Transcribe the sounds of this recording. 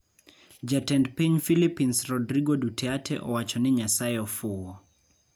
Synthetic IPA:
d͡ʒatɛntpiɲfilipinsrɔdɾiɡɔdutʰɛatʰɛ̰ʔɔwat͡ʃɔniɲasajɔfuwɔ

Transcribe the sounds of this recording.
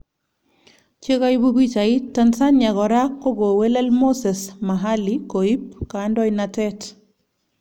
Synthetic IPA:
t͡ʃeɣajbuɡit͡ʃaitːansanɲaɣɔɾakːoɡowelelmosesmaɦalikoip̚kandɔjnatɛt

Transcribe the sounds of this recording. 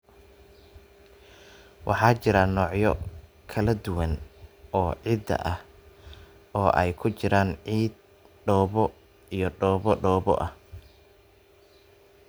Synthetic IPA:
wʔɑħɑːt͡ʃɪɾɐnɔːʕjɔ | kʰɐlɐd̪ʊwɐnɔːʕid̪ɐ̰ʔɐh | ʔɔːʔɛjkʰʊt͡ʃɪɾaːnʕiːd̪̚ | ɖɔːβɔ | ijɔɖɔːβɔɖɔːβɔ̰ʔɐh

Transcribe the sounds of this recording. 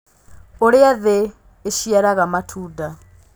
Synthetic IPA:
oɾɪaðeː | ʃiaɾaɣamatʰuːda

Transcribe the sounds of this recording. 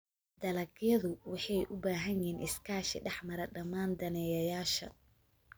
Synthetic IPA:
d̪ɐlɐɡjɐðʊwɑħɑjʔʊbaːɦɐɲɛːnʔɪskʰaːʃɪɖɛħmɐɾɐɖɐmaːnd̪ɐnɛjɐjaːʃɐ̰

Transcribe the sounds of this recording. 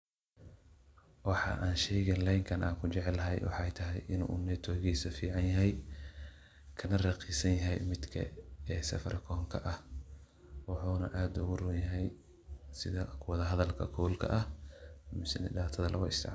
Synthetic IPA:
wɑħɑ̰ʔaːnʃɛjɣɛnlɛjŋkʰɐnʔaːkʰʊt͡ʃɛʕɛlɐɦɛ̰jwɑ̰ħɛjt̪ʰɐɦɛjʔɪnṵːnɛːt̪ʰɔːɣiːsɐfiːʕɑnjɐɦɛj | kʰɐnɐrɑqiːsɐnjɐɦɛjmɪd̪kʰɐ̰ɛːsɐ̰fɐrkʰɔːŋkʰɐ̰ʔɐh | wɑħuːnɐ̰ʔaːd̪ʊɣʊrʊjɐɦɛj | sɪðɐkʰʊwɔðɐɦɐðɐlkʰɐkʰɔwlkʰɐ̰ʔɐhmɪsɪnɪɖaːt̪ʰɐðɐlʔɐ̰ɣʊɪ̰sd̪ɛ̰ʕ

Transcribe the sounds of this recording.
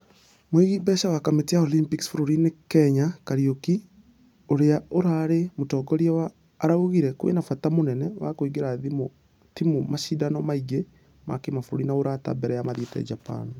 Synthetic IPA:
mweɣibɛʃawakametijaolimpiksfuɾoɾinekɛɲakaɾioki | oɾeaoɾaːɾemotɔːɡɔɾjɛwaː | ɾauɣiɾɛkowḛnafatamonɛnɛwa̰koiɡeɾaðimo | timomaʃidanɔmaiɡe | ma̰kemafoɾoɾinaoɾata̰bɛɾɛjamaðetɛ̰a̰d͡ʒapa̰n

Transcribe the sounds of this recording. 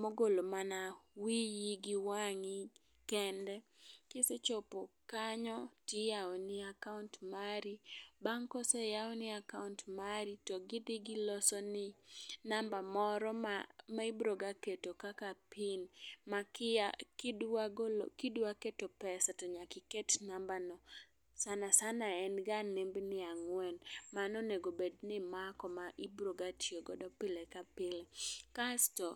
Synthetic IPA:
moɡolomanawijiɡɪwaŋi | kɛndɛkɪset͡ʃɔpɔkaɲɔtɪjaɔnɪakauntmaɾibaŋkɔsɛjaɔnɪakauntmaɾitɔɡɪd̪ɪɡɪlɔsɔnɪnambamɔɾɔmamaɪbɾoɡaketokakapʰɪnmakakdaɡkɪdwaketopɛsatɔɲakɪkɛtnambanɔ | sanasanaɛnɡanembnɪaŋwɛnmanɔneɡobednɪmakɔmaʔɪbɾoɡatʰjeɡɔdɔpɪlɛkapɪlekastɔ

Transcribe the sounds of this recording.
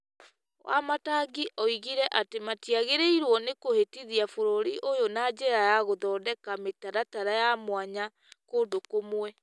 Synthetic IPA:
wʔa̰mataɡiʔɔiɣiɾɛʔatematiaɣeɾeiɾwɔnekohetiðiafoɾoɾiʔojonad͡ʑɛɾajaɣoðɔːdɛkametaɾataɾajamwaɲa | koːndokomwɛ

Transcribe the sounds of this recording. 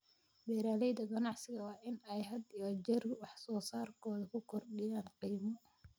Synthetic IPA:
bɛːɾaːlɛjd̪ɐɡɐnɑʕsɪɣɐwɑːʔɪnɛjɦɐd̪ɔd͡ʒɛrwɑħsɔːsaːrkʰɔːðɐkʰʊkʰɔrɗɪjaːnqiːmɔ

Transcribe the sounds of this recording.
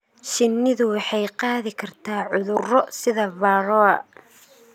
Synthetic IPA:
ʃɪnːɪðʊwɑħɑjqɑːðɪkʰɐrt̪ʰaːʕʊðʊrɔsɪðɐβɑːɾɔɐ

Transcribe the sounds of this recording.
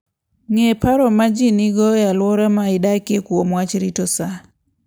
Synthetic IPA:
ŋepaɾɔmad͡ʒiniɡɔjalwɔɾamaɪdakekwomwat͡ʃɾitɔsa

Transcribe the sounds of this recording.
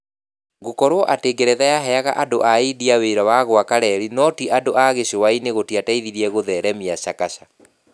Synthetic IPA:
ɣokɔɾoʔateːɡeɾɛðajaɦɛaɣaʔadoʔaidiaweɾawaɣoakaɾɛɾinɔtiʔadoʔaɣeɕowaineɣotiataiðiɾiɛɣoðɛɾɛmiaɕakaɕa

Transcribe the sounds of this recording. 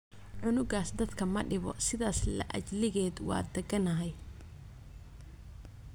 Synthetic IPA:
ʕʊnʊɡaːsd̪ɐd̪kʰɐmɐɖɪβɔ̰sɪðaːslɐ̰ʔɐ̰d͡ʒlɪɣɛːd̪wɑ̰ːd̪ɐɡɐnɐɦɛj

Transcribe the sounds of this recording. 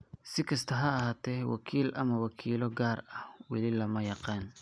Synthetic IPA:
sɪkʰɐst̪ʰɐɦɐːɦaːt̪ʰɛːwɑ̰kʰiːlʔɐ̰mɐwɑkʰiːlɔɡaːrɐhwɑlɪlɐmɐjɑqɑːn

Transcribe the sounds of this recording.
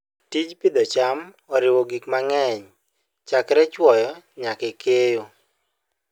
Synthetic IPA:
tit͡ʃpɪd̪ɔt͡ʃam | ɔɾɪwoɡikmaŋɛɲ | t͡ʃakɾɛt͡ʃwɔjɔɲakɛkʰejo

